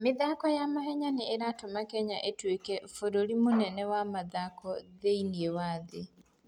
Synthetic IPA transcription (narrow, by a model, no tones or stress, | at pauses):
mɪðakɔjamaɦɛɲaneeɾatomakɛɲaʔetwekɛfoɾoɾimonɛnɛwamaðakɔðeiniewaðe